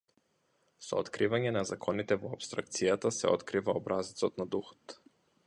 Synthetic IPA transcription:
sɔ̰ɔt̪kɾivaɲɛnazakʰɔnit̪ɛvɔapst̪ɾak̚t̪sijat̪asɛ̰ɔt̪kɾivaɔbɾʔazit̪sɔt̪nad̪uxɔ̥t̪

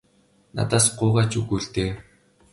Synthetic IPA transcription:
na̰t̪aːsɢʊːʁaːt͡ɕuɣuːɮt̪eː

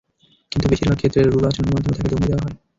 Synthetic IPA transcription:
kint̪ubiʃiɾbʱaɡ̚kʰet̪ːɾeɾɾuɾat͡ɕoneɾmad̪ʱːomot̪ʰeked̪omid̪ewaɦɔe

